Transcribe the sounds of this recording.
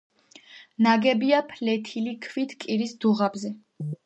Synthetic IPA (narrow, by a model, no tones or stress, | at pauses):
naɡɛbiapʰlɛt̪ʰilikʰvit̪ʰkʼiɾisd̪uʁabzɛ